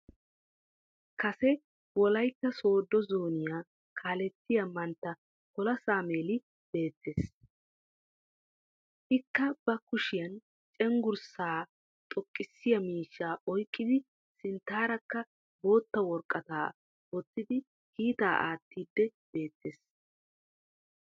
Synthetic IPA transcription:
kɐsɛ | wɔlɐjt̪ːɐso̞ːd̪ːɔzoːnɪjaː | kʰaːlɛtːɪjɐmɐnt̪ːɐ | kɔlɐsaːme̞ːlɪ | b̥e̞ːt̪ʰːeːs | ʔɪkːɐb̥ɐkʊʃɪjɐn | t͡ʃʼɛŋɡʊɾsaː | t̪ʼɔkʼːɪsːɪjɐmiːʃːaːʔɔjkʼːɪd̪ɪ | sɪnt̪ːaːɾɐkːɐ | bo̞ːt̪ːɐwɔɾkʼːɐt̪aː | wɔt̪ːɪd̪ɪ | kiːt̪aːʔa̰ːt̪ːiːd̪ːɛb̥e̞ːt̪ːes

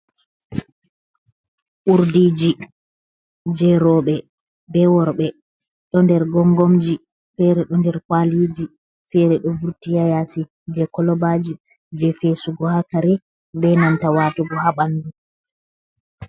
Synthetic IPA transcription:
ʔuɾdiːd͡ʒi | d͡ʒɛɾɔːɓɛ | bɛwɔɾɓɛ | ɗɔndɛɾɡɔŋɡɔmd͡ʒi | fɛɾɛɗɔndɛɾkwaliːd͡ʒi | fɛɾɛɗɔvuɾtijajasi | d͡ʒɛkɔlɔbad͡ʒi | d͡ʒɛfesuɡɔhakaɾɛ | bɛnantawaːtɔɡɔhaɓandu

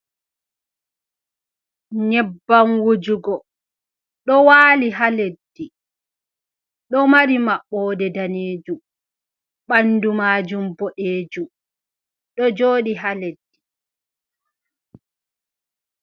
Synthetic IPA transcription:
ɲɛbːanwud͡ʒuɡɔ | ɗɔwaːliɦaledːi | ɗɔmaɾimaɓːɔːdɛdaneːd͡ʒum | ɓandumaːd͡ʒumbɔɗeːd͡ʒum | ɗɔd͡ʒoːɗiɦaledːi

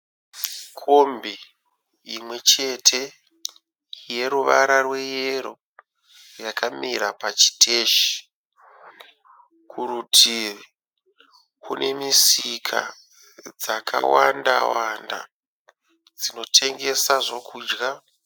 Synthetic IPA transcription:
kʰo̞mbi | imwe̞t͡ʃe̞tʰe̞ | je̞ɾuʋaɾarwe̞jeɾo | jakʰamiɾapat͡ʃi̥tʰe̞ːʃi̥ | kʰuɾutʰir | kunʔe̞misikʰa̰ | d͡zakʰa̰wanda̰wanda̰ | d͡zino̞tʰe̞ŋɡe̞saʐo̞kʰuːd͡ʒɡa

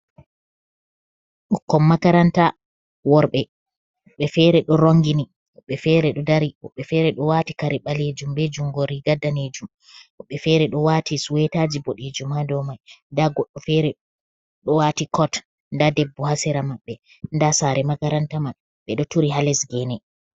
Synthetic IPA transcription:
ʔɔkːɔmːakaɾanta | wɔɾɓɛ | ɓɛfɛɾɛɗɔɾoŋɡini | ɔɓɛfɛɾɛɗɔdaɾiɔɓːɛfɛɾɛɗɔwatikaɾiɓaled͡ʒumbɛd͡ʒumɡɔɾiɡadːaned͡ʒum | ɔɓːɛfɛɾɛɗɔwatisuwɛtad͡ʒiboɗed͡ʒumhadɔmajndaɡɔɗːɔfɛɾɛ | ɗɔwaːtikɔt | ndadɛbːɔhasɛɾamaɓːɛ | ndasaɾɛmakaɾantaman | ɓɛɗɔtuɾiɦalɛsɡɛnɛ

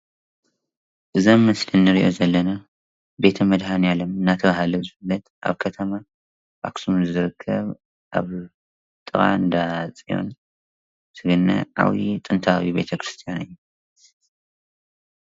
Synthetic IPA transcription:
ʔɨzomːɐslɨnːɨɾiʔozɐlːɐna | be̞t̪ʰɐmɐd̪hanjalomɨnːat̪ʰɐβahalɐzɨfɨlɐt̪ʔa̰βkʰɐt̪ʰɐma | ba̰ksumzɨɾɨkʰːɐβ | ʔa̰β | t̪ʼɨχʼa̰ɨnd̪at͡sʼijo̞̰n | sʰɨɡɨnːɐ̰ʔa̰wit̪ʼɨnt̪ʰawibe̞̰t̪ʰɐkɾɨst̪ʰijanɨjːu

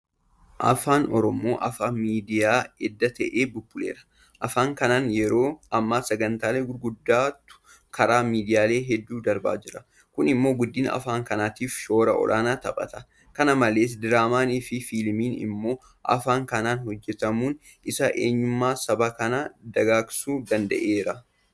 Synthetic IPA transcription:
ʔɐ̰faːnɔɾɔmo̞ːʔɐfaːmiːd̪ɪjaːɛd̪ːɐt̪ɐʔeːbʊbːʊlḛːɾɐ̥ | ʔɐfaːŋkɐnaːnjɛɾo̞ːʔɐmːaːsɐɡɐnt̪aːleːɡʊɾɡʊd̪ːaːt̪ʊ̥ | kɐɾaːmiːd̪ɪjaːle̞ːɦɛd̪ːuːd̪ɐɾba̰ːd͡ʒɪɾɐ | kʊnɪmːo̞ːɡʊd̪ːiːnɐ̰faːŋkɐnaːt̪iːfʃo̞ːɾɐʔɔ̰lʔa̰ːnaːt̪ɐbʼɐ̰t̪ɐ̥ | kɐnɐmɐle̞ːs̬d̪ɪɾaːmaːniːfɪfilmiːnɪ̰mːo̞ː | ʔɐ̰faːŋkɐnaːnhɔd͡ʒːɛt̪ɐmuːn | ɪsɐʔeːɲːʊmːaːsɐbakɐnɐd̪ɐɡaːksuːd̪ɐnd̪ɐ̰ʔeːɾɐ

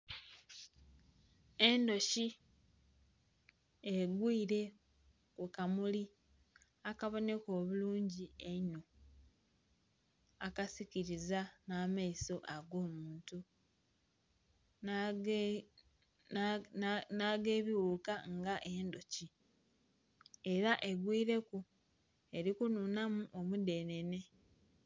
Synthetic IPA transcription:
e̞ndo̞ci | eɡwiiɾe̞ | kukamuli | akaβo̞ne̞ko̞ːβuluːɲɟieɲo | akasiciɾizanaːmaiso̞ʔaɡo̞ːmuːntu | naːɡe̞ːβiwuːkaŋɡaʔe̞ːndoci | e̞ɾaʔe̞ɡwiːɾe̞ku | e̞ɾikununamuʔomude̞ːne̞ne̞

